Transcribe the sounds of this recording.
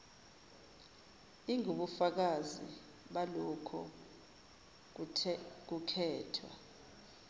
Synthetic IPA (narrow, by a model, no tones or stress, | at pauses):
iŋuɓufak̬azḭ | ɓalɔkʰɔ | k̬ukʰɛːtʰwa̰